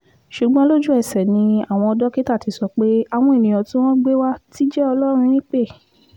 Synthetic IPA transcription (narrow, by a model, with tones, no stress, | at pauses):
ʃu˨ɡ͡bɔ̃˧˦lo˦d͡ʒu˦ɛ˦˨sɛ˨nĩ˧a˦˨w̃ɔ̃˧ɔ˧dɔ˦ki˦ta˦˨ti˨˧sɔ˧k͡pe˦a˨w̃ɔ̃˧e˨nĩ˨j̃ɔ̃˨tũ˦w̃ɔ̃˦ɡ͡be˦wa˦ti˦d͡ʒɛ˦ɔ˧lɔ˦ɾ̃ũ˧ɾ̃ĩ˦k͡pe˦˨